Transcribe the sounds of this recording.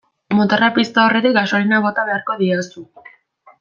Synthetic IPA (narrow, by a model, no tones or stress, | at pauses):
mot̪arapist̪ao̞re̞t̪ik̚ɡasolinaβo̞t̪aβe̞aɾko̞ðiosu